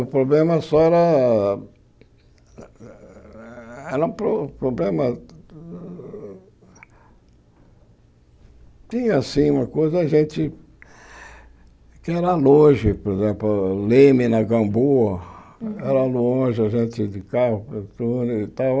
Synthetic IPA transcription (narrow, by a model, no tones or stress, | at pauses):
ʊpɾoblẽmɐsɔɛɾɐ | ɛɾɐũpɾopɾoblẽmɐ | t͡ʃ̪ĩɲɐasĩũmɐkojzɐʒẽnt͡ʃ̪ɪ | kɪɛɾɐlõʒɪpoɾezẽplʊlẽmɪnɐɡɐ̃boɐ | ɛɾɐlõʒɪɐʒẽt͡ʃ̪ɪd̪ɪkaɦʊpet̪unʊit̪aw